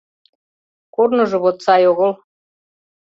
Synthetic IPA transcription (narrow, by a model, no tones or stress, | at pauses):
kornɤ̆ʒɤ̆βot̪sɑjoɣol